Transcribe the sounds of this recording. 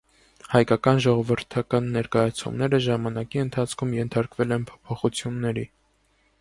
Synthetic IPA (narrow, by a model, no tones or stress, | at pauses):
hɑjkɑkɑnʒɔʁɔvəɾt̪ʰɑkɑnːɛɾkɑjɑt͡sʰṵmnɛɾəʒɑmɑnɑkiənt̪ʰɑt͡sʰkʰumjɛnt̪ʰɑɾkvɛlɛnpʰɔ̥pʰɔχut͡sʰjunːɛɾi